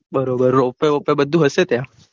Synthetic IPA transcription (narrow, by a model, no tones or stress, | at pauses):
bəɾobəɾopeopebəd̪ʱːuɦəset̪jã